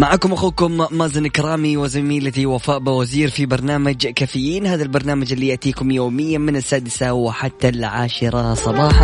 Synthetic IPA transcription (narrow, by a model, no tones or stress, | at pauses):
maʕaːkʊmʔaxuːkʊmːaːzɪnɪkɾˤɑːmiwɪzamiːlat̪iwafaːʔbɪwaziːɾfibɑɾˤnaːmad͡ʒkaːfɪjːiːnhaːðalbɑɾˤnaːmad͡ʒɪlːijaʔt̪iːkʊmjoːmɪjːamɪnɪsːaːd̪ɪsawɪħat̪ːalʕaːʃɾˤɑsˤɑbɑːħɑ